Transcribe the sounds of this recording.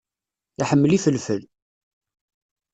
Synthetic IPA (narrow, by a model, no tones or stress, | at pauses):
iħəmːəlifəlfəl